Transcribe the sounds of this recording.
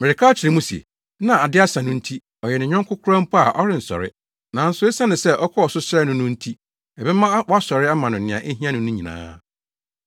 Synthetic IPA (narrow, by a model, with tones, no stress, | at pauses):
mɪ˨ɾɪ˨kʰa˦ɔ˦t͡ɕʰɪ˨ɾɪ˨mũ˦si˨ḛ˨ | nã˨a˨dɪ˦a˦sã˨nʊ̃˦n̩˦tʰi˦ | ɔ˨jɛ˨nɪ̃˨ɲᶣã˦ŋ˦kʰʊ˦kʰʊ˦ɾã˦m̩˦pʰɔ˦a˨ʔɔ˦ɾɪ̃˨n̩˨sɔ̰˨ɾɪ˦ | nã˨n̩˦sʊ˦e˦sã˦nɪ̃˨sɛ˦ʔɔ˦kʰɔ˦ɔ˨sʊ˦sɾɛ˦nʊ̃˦nʊ̃˦n̩˦tʰi˦ | ɛ˨bɛ˦mã˦wɔ˦a˦sɔ˨ɾɪ˦a˦mã˨nʊ̃˨nɪ̃˨ã̰˨ʔe˦ɦi˦ã˦nʊ̃˨nʊ̃˦ɲĩ˨nã̰ː˦